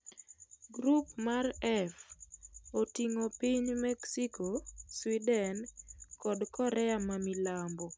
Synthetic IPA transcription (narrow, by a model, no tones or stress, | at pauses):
ɡɾupmarɛf | otiŋopiɲmɛksikoswidɛnkɔdkɔɾɛamamilambo